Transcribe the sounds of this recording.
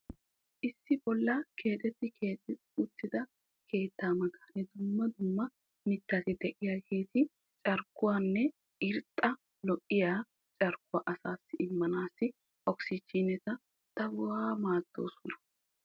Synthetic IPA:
ʔɪsːɪbɔlːɐkʰe̞ːt̪ʼɛt̪ːɪeː | ʊt̪ːɪd̪ɐ | kʰe̞ːt̪ːaːmɐɡaːnɛd̪ʊmːɐd̪ʊmːɐ | mɪtːɐt̪ɪd̪ɛʔɪjaːkʰe̞ːt̪ɪ | t͡ʃʼɐɾkːʊwaːnːɛ | ʔɪɾt̪ʼːɐ | lɔkʼːɪjaː | t͡ʃʼɐɾkːʊwaːʔɐsaːsːɪʔɪmːɐnaːsːɪ | ʔɔksɪt͡ʃːiːnɛt̪ɐ | t̪ɐwʊwaːmaːd̪̥ːo̞̰ːsɔnɐ̥

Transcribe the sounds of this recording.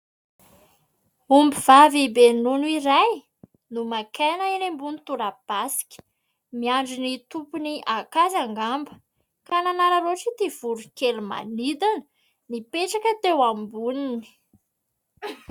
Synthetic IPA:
umbiv̥avibenunuiɾaj | numakʰenəiɾembunit̪uɾab̥asi̥kʲə̥ | miaɳɖ͡ʐinit̪upuniʔakazaŋɡambə̥ | kananaɾaɾoʈ͡ʂit̪iv̥uɾukeluma̰nid̪anə̥ | nipeʈ͡ʂakət̪ewambunini̥

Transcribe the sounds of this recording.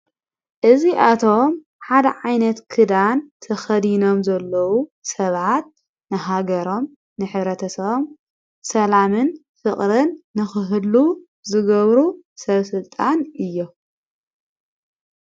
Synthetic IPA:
ʔɨziʔat̪ʰo̞m | ħad̪ɐ̰ʕajnɐt̪kʰɨd̪ant̪ʰɐxɐd̪ino̞mzɐlːɐwusɐβʕʕat̪̚ | nɨɦaɡɐɾo̞m | nɨħɨβɾɐt̪ʰɐsɐβom | sɐlamɨn | fɨχʼɾɨnːɨxɨɦɨlu | zɨɡɐβɾu | sɐβsɨlt̪ʼanʔɨjːo

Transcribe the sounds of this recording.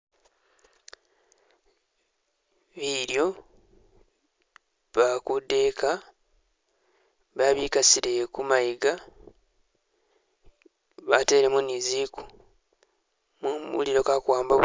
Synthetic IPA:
βiɾjo̞ | βakude̞ka | βaβikasiɾekumajiɡa | βate̞ːɾemuniziku̥ | muṵliɾo̞kakwaːmbo

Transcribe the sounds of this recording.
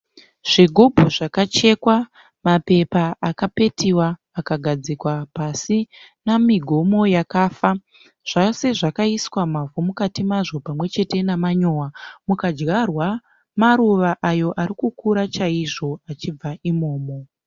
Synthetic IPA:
ʐ̥iɡʱo̞bʱoʐakat͡ʃe̞kwa | mape̞paʔakape̞tʰiwaː | kaɡʱad͡zikwapasinamiɡʱo̞mo̞jakaːfa | ʐ̥ase̞ʐakaiswamavumukatimaʐo̞pamwe̞t͡ʃe̞te̞namaɲo̞ːwamukad͡ʒɣarwa | maɾuʋaʔajo̞ʔaɾikukuɾat͡ʃaiʐo̞at͡ʃib͡vaʔimo̞ːmo

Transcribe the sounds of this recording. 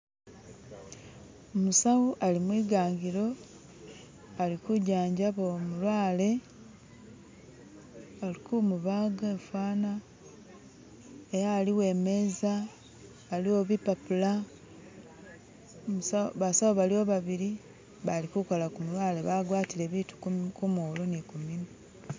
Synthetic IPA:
omusawuʔalimwiːɡaːŋɡiɾo̞ | alikuɟaːɲɟaβomulwaːle̞ | alikumuβaːɡefaːna | ejaːliwe̞ːme̞zaː | lioβipapula | musaβasawoβalio̞βaβiɾi | βalikukolakumulwaːle̞βaɡwaːtile̞βiːtu̥kumoːlonikumino

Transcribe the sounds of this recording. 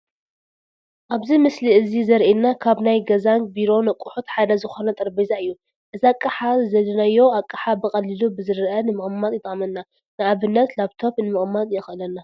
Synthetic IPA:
ʔaβzimɨsliʔɨzizɐɾʔinːakʰaβnajɡɐzaŋkbiɾo̞nɐkʼːuħut̪ħad̪ɐzɨxo̞nɐt̪ʼɐɾbizaɨjːu | ʔɨziakʼːɨħazɐlɐnajːo̞akʼːɨħabɨkʼɐlɨlubɨzɨɾʔɐnɨmɨχʼmːat̪jɪt̪ʼmɐnːa | nɨaβɨnːɐt̪laβt̪ʰo̞pnɨmɨχʼmːat̪ʼɨjɛxʔɨlɐnːa

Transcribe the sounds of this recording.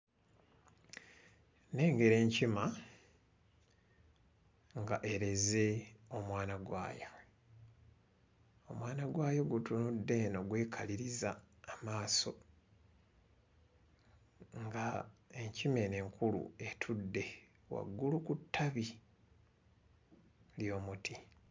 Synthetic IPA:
ne̞ːŋɡe̞ɾe̞ːɲcima | ŋɡa̰ʔe̞ɾe̞ze̞o̞mwaːnaɡwa̰ːja | o̞mwaːnaɡwaːjoɡutunudːe̞no̞ɡwe̞ːkʰaliɾizaːmaːso̞ | ŋɡae̞ɲcime̞ne̞ŋkʰulṵe̞tʰudːe̞ | wa̰ɡːulukutʰːaβi | ljo̞ːmutʰi

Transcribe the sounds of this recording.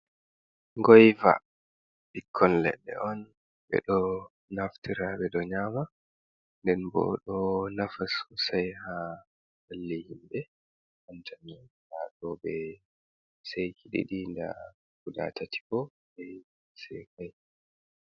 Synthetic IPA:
ŋɡɔjva̰ | ɗikʰːɔnlɛ̰ɗːɛ̰ʔɔn | bɛ̰ɗɔ | naftiɾaɓɛɗɔɲaːma | ndɛnbɔ̰ɗɔnafasusajha | halːihimbɛ | ʔantʰanɔhaɗɔbɛ | sajkʰiɗḭɗinda̰ | kuda̰tati̥kɔ | ɓɛ | sɛkaj

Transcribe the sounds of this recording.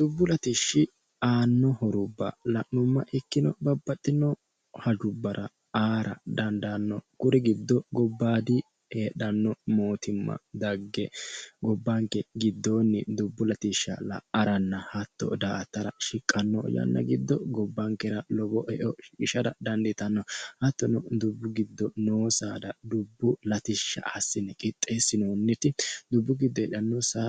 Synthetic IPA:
d̪̥ʊbːʊlɐt̪iʃːɪ | aːnːɔhɔɾʊbːɐ̰lɐʔnʊmːɐʔɪkːɪnɔbɐbːɐt̪ʼːɪnːɔ | hɐd͡ʒʊbːɐɾʔɐ | aːɾɐ̰d̪ɐnd̪anːɔkʊɾɛɡɪd̪ːɔɡɔbːaːd̪ɪ | eːɗɐnːɔmo̞ːt̪ʰɪmːɐ̰d̪ɐɡːɛɡɔbːaŋkːɛɡɪd̪ːoːnːɪd̪ʊbːʊlɐt̪ɪʃːɐ̰lɐ̰ɐɾɐnːɐhɐt̪ːɔ̰d̪aːɐt̪ːɐɾɐʃɪkʼːɐnːɔjɐ̰nːɐ̰ɡɪd̪ːɔɡɔbːɐŋkɛɾɐlɔbɔʔɛʔɔɪʃɐd̪ɐd̪ɐnd̪ɪt̪ɐnːɔhɐt̪ːɔnɔd̪ʊbːʊɡɪd̪ːɔnoːsaːd̪ɐd̪ʊbːʊlɐt̪ɪʃːɐ̰ʔɐsːɪnɛkʼɪt̪ʼːe̞ːsːɪnoːnːɛt̪ɪd̪ʊbːʊɡɪd̪ːɔɛːɗɐnːɔsa

